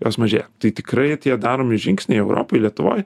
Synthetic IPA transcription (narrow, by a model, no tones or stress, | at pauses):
joːsmɐʒʲeːjomt̪ɐɪt̪ʲɪkɾɐɪt̪ʲiɛd̪ɑːɾoːmʲɪʒʲɪŋʲksʲnʲɛɪɛʊɾʔo̰ːpojlʲiɛt̪ʊʋo̰ːj